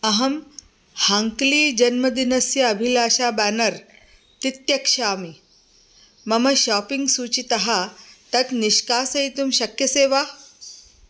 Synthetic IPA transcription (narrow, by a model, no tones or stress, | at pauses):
ɐɦɐm | haŋkliːd͡ʒɐnmɐd̪inɐsjɐɐbʱilaːʃaːbæːnɐɾ | t̪it̪jɐkʂaːmi | mɐmɐɕaːpiŋɡsuːt͡ɕit̪ɐɦat̪ɐt̪niʃkaːsɐit̪umɕɐkjɐseːʋa